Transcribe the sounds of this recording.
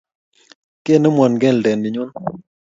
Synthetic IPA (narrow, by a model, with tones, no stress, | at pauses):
ke˦˨ne˦mwɔ˨nɡɛ˦˨n˨dɛ˨ndi˨ɲu˦n